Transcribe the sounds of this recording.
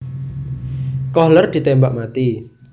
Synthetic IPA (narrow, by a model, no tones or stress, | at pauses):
kɔhlərd̪̥i̤t̪embaʔmat̪i